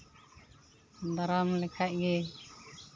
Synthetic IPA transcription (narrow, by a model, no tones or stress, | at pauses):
d̪aɾamlɛkʰac̚ɡɛ